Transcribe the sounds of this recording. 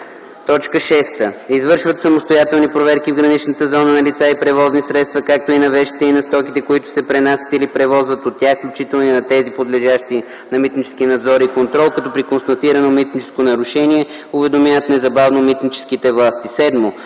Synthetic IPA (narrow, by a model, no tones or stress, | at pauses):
t̪ɔt͡ʃkəʃɛst̪əizvɤɾʃvət̪sɐmost̪ojat̪ɛlˠnipɾovɛɾkivɡɾɐnit͡ʃnət̪əzɔnənɐlit̪saipɾɛvɔznisɾɛt̪st̪vəkak̚t̪oinɐvɛʃi̥t̪ɛinɐst̪ɔkit̪ɛkoit̪ʊ̥sɛpɾɛnasʲə̥t̪ilipɾɛvɔzvət̪ot̪ːʲaxklʲut͡ʃit̪ɛlˠninɐt̪ɛzipod̪lɛʒaʃt̪i | nɐmit̪nit͡ʃɛ̥sk̟inɐd̪zɔɾikont̪ɾɔlˠkɐt̪ɔpɾikonst̪ɐt̪iɾɐnomit̪nit͡ʃɛ̥skonɐɾʊʃɛniɛ | ʊvɛd̪omjavət̪nɛzɐbavnomit̪nit͡ʃɛ̥skit̪ɛvlˠast̪isɛd̪mo